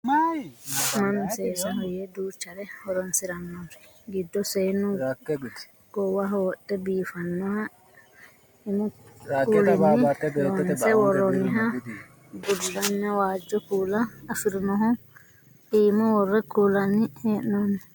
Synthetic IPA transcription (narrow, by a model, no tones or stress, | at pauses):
ma | manɔsɛsahɔjɛduːt͡ʃaɾɛhɔɾɔnsiɾanːɔfi̥ | ɡidːɔsɛnu | ɡɔwaɦwɔɗːɛbiːfanːɔha | imɔkuliiɔsɛwɔɾɔniɦa | ɡulːanːawad͡ʒɔkulaːfiɾnɔɦɔ | imɔwɔɾɛkulanihɛnɔni